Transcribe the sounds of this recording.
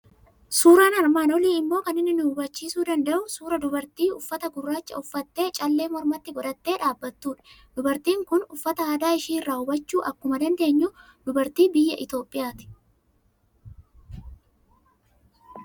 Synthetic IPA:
suːɾaːnɐɾmaːnɔliːɪmːo̞ːkɐnɪnːɪnʊʊbɐt͡ʃːiːsuːd̪ɐnd̪ɐʔʊsuːɾɐd̪ʊbɐɾt̪iːʊfːɐt̪ɐɡʊrːaːt͡ʃːɐ̰ʊfːɐt̪ːe̞ːt͡ʃʼɐlːe̞ːmɔɾmɐt̪ːɪɡɔᶑɐt̪ːe̞ːᶑaːbːɐt̪ːuːᶑɐ̥ | d̪̥ʊbɐɾt̪iːŋkʊnʊfːɐt̪ɐaːd̪aːɪʃiːnrːaːʊbɐt͡ʃːuːʔɐkːʊmɐd̪ɐnd̪e̞ːɲːuː | d̪ʊbɐɾt̪iːbɪjːɐʔɪt̪o̞ːpʼːɪjaːt̪ɪ̥

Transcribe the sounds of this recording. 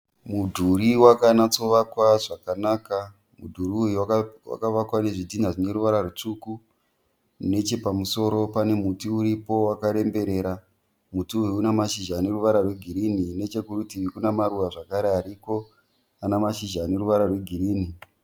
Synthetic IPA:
mudʱuɾiwakanat͡so̞ʋakwaʐakanaka | mudʱuriujwawa̰kaʋakwane̞ʐidʱinaʐine̞ɾuʋaɾarut͡ʂuku | ne̞t͡ʃe̞pamuso̞ɾo̞pane̞mutiuɾipo̞wakaɾe̞mbe̞ɾe̞ːɾa | mutiuiunamaʃiʒane̞ruʋaɾarwe̞ɡʱiɾinine̞t͡ʃe̞kuɾutiʋikunamaruʋaʐakaɾeaɾiko̞ | anamaʃiʒane̞ɾuʋaɾarwe̞ɡʱiɾiːni

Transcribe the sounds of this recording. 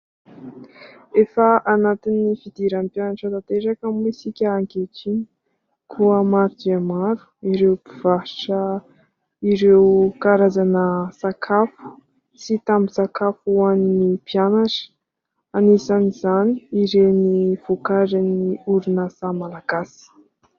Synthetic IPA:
efəʔanat̪inifid̪iɾampjanaʈ͡ʂat̪at̪eɾakəmisikʲəːŋkeʈ͡ʂini̥ | kʰuəmaɾid̪amaɾu̥iɾewpiv̥aʈ͡ʂə | iɾewkaɾazanəsakʰafu̥ | t͡sit̪amisakafuaninipjanaʈ͡ʂə̥ | anisanizaniiɾeniv̥ukaɾiniuɾunəsamalaɡasi̥

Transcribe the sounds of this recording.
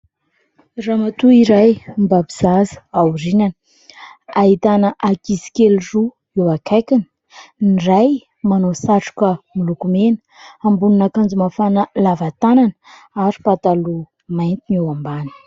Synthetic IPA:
ramat̪uiɾajmbabiz̥azə̥awɾinanə̥ | aɦit̪anəʔakizi̥kelru | ewakajkʲanə̥ | niraj | manosaʈ͡ʂu̥kəmilukumenə̥ | ambununakand͡zumafanəlavat̪anan | aɾi̥pat̪alu | majnt̪inewambanə̥

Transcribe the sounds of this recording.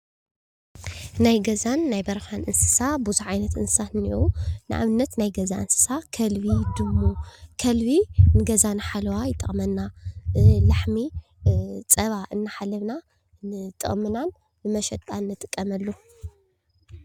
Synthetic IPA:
najɡɐzanːajbɐɾxanʔɨnsɨ̥sabuzuʕajnɐt̪ʔɨnsɨ̥saniʔunɨʔa̰βɨnːɐt̪najɡɐzaʔɨnsɨ̥sakʰɐlβid̪ɨmːokʰɐlβinɨɡɐzanɨħalɐwajɪt̪ʼɨχʼmɐnːa | laħmi | t͡sʼɐβaʔɨnːaħalːɐβna | t̪ʼɨ̰χʼmɨnan | bɨmɐʃɐt̪ʼːanːɨt̪ʼɨkʼːɐmɐlːo

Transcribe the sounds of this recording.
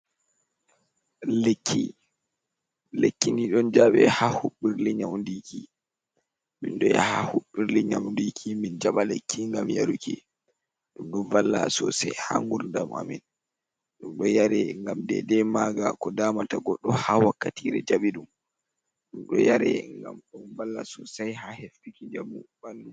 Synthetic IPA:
lekʰːḭ | lekːiniɗɔnd͡ʒaɓɛ̰hahuɓːiɾliɲamndiki | minɗɔja̰hahuɓːiɾliɲamndikʰimind͡ʒaɓalekʰːiŋɡamjaɾuki | ɗumɗɔnvalːa̰sɔsajha̰ŋɡuɾndama̰min | ɗumɗɔjaɾɛŋɡamdɛdɛmaɡakɔdaːmataɡɔɗːɔhawakːatiɾɛ̰d͡ʒaɓiɗum | ɗumɗɔ̰jaɾɛ̰ŋɡa̰mɗɔnvalːa̰sɔsajhahefːikid͡ʒamubandu

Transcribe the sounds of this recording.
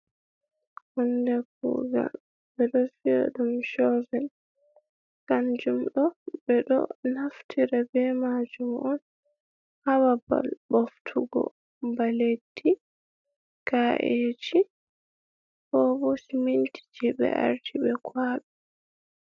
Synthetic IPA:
hɔndɛkṵːɡa̰ | bɛɗɔfiɔ̰ɗumʃɔvɛl | kand͡ʒumɗɔbɛɗɔ̰naftʰiɾɛbɛmad͡ʒumʔɔn | hawaba̰lboftʰuɡɔ̰ | baledːi | kaʔed͡ʒi | hɔbɔsimintʰi̥d͡ʒibɛ̰ʔa̰ɾtʰibɛkʰwaːɓɛ

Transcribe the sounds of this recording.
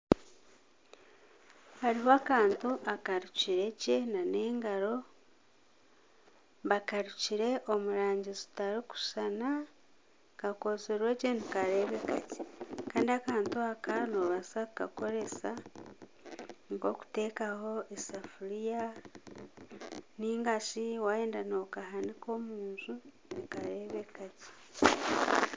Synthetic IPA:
haɾiɦoakaːntuʔakaɾuciɾe̞cenane̞ːŋɡaɾo̞ | βakaɾuciɾe̞ʔomuɾaːɲɟizi̥taɾiku̥sana | kakozeɾeɟenikaɾe̞βeka̰ce̥kaːndiakaːntuakanoβasaka̰ko̞ɾe̞sa | ŋko̞ku̥te̞kaho̞ʔesafuɾija | niːŋɡaʃiwajeːndanokahaniko̞muːnzu | nikaɾe̞βekaci̥

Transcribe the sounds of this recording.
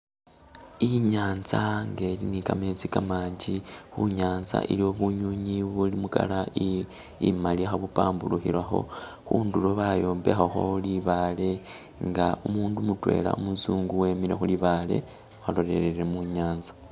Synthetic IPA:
iɲaːnzaŋɡe̞linikamezikamaːɲɟixuɲaːnza̰ʔḭlio̞βuɲuɲiβulimuka̰lai | imalixaβupaːmbuluxḭɾwaxo̞̰xuːnduloβajo̞ːmbe̞xaxo̞̰liβale̞ | ŋɡaumuːndumutwe̞̰ːla̰umuzuːŋɡuwe̞ːmiɾexuliβale̞̰ | walo̞ɾe̞̰ɾeɾemuɲaːnzḁ

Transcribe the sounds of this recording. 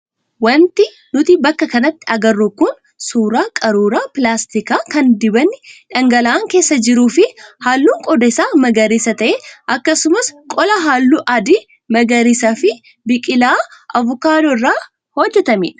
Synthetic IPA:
wɐnt̪ɪ | nʊt̪ɪbɐkːɐkɐnɐt̪ːɪɐɡɐrːukʊn | suːɾaːkʼɐɾuːɾaːpɪlaːst̪ɪkaːkɐnd̪ɪbɐnːɪᶑɐŋɡɐlɐːŋke̞ːsːɐd͡ʒɪɾuːfɪhaːlːuːŋkʼɔd̪ɐɪsaːmɐɡɐɾiːsɐt̪ɐʔeʔɐkːɐsʊmɐskʼɔlɐɦaːlːuːʔɐd̪i | mɐɡɐɾiːsaːfɪ | bɪkʼɪlaːʔɐvʊkaːd̪ɔrːaː | hɔd͡ʒːɛt̪ɐmɪ̰ᶑ

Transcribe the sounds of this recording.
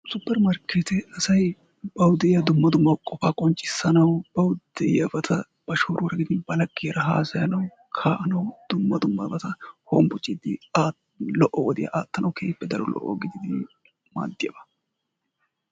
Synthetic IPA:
sʊpːɛɾmɐɾkʰːet̪ɛɐsɐj | bɐwʊd̪ɛɪjɐd̪ʊmːɐd̪ʊmːɐkʼɔfaːkʼɔnt͡ʃʼːɪ̥sːɐnɐwb̥ɐwʊd̪ɛʔjɐbɐt̪ʰɐ | b̥ɐʃoːɾʊwɾɐɡɪd̪ɪnbɐlɐkʼːeːɾɐɦa̰ːsɐjɐnɐw | kʰaːʔɐnɐwd̪̥ʊmːɐd̪ʊmːɐbɐt̪ɐhombʊt͡ʃʼːid̪ɪa | lɔʔɔwɔd̪ɪjɐ̰ʔaːt̪ːɐnʔɐwkʰeːpːɛd̪ɐɾɔlɔ̰ʔɔ̰ɡɪd̪ɪd̪ɪ | ma̰ːd̪ːɪjɐbɐ̥

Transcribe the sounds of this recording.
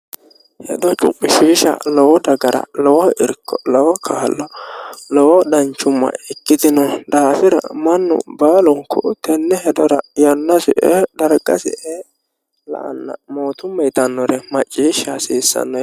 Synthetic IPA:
hɛd̪ɔt͡ʃʼʊ̰pʼːɪʃiːʃɐ̰lɔwɔd̪ɐɡɐɾɐ̰lɔwɔɪɾkːɔlɔwɔkʰaːlːɔlɔwɔd̪ɐnt͡ʃːʊmːɐ̰ɪkːɪd̪ɪnɔd̪aːfɪɾɐ̰mɐnːʊ̰baːlʊŋkːʊt̪ɛnːɛhɛd̪ɔɾɐjɐnːɐsɪʔɛd̪ɐɾɡɐ̰sɛ̰ʔɛ | lɐ̰ʔɐ̰nːɐ̰moːt̪ʊmːɐjt̪ɐnːɔɾɛmɐt͡ʃʼːiːʃːasiːsːɐ̰nːɔ

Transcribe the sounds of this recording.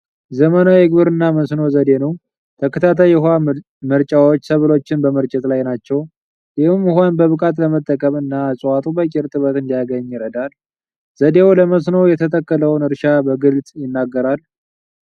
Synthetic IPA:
zəmənaɛɡbɨɾɨnːaməsno̞zəd̪e̞nəw | t̪ʰəkʰət̪ʰat̪ʰajha | məɾt͡ʃʼawo̞t͡ʃːsəβɨlo̞t͡ʃːɪnbəməɾt͡ʃʼɛt̪lajnat͡ʃːɛw | jɪhɨmːɦonbəβɨkʼat̪ləmət̪ʼːəkʼəmɨnːaːsʼwat̪ʼubəkʼɪɾt̪ʼɨβət̪ɨnd̪ijaɡəɲːɪɾəd̪al | z̥əd̪e̞wləməs̬no̞jɛt̪ʰət̪ʰəkːələwnɨɾʃabəɡɨlt͡sʼjɪnːaɡːəɾal

